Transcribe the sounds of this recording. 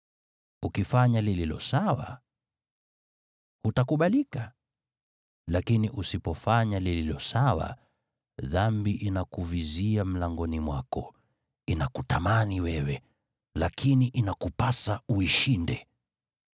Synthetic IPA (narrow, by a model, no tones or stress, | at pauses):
ukifaɲalililɔ̰sawa̰ | hutakuɓalika | lakiniʔusipɔfaɲalililɔsawa̰ | ðambiʔinakuviziam̩laŋɡɔnimwakɔ | inakutamaniwɛwɛ | lakʰiniʔinakupasauiʃindɛ